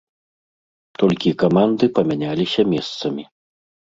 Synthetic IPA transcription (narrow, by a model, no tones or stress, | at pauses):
t̪ɔlʲkʲikamand̪ɨpɐmʲanʲalʲisʲɐmʲɛst̪sɐmʲi